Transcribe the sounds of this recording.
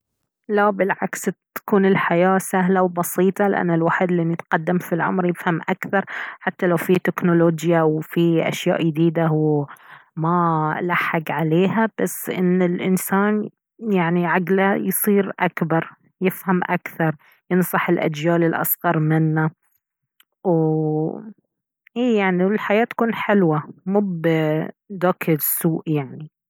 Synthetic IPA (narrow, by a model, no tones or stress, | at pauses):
labɪlʕakst̪ḁkuːnɪlħajaːsaɦlawbɑsiːt̪ˤɑlɪʔa̰nːalwaːħid̪lʔɪnːit̪qɑd̪ːamfilʕʊ̰mɾjɪfhamʔakθɑɾˤħat̪ːalawfit̪ɪknʊloːd͡ʒjawfiʔa̰ʃja̰ːʔjd̪iːd̪aw | malaħːɪɡʕaleːhab̥asːʔɪnːɪlʔɪnsaːn | jaʕniʕaɡlajsˤiːɾʔakbɑɾˤ | jɪfhamʔakθɑɾˤ | jɪnsˤɑħɪlʔa̰d͡ʒjaːlɪlʔɑ̰sɣɑɾˤmɪnːa | w | ʔiːjaʕniwɪlħajaːt̪ːḁkuːnħɪlwamuːb | d̪aːkʰɪɾsuːʔjaʕni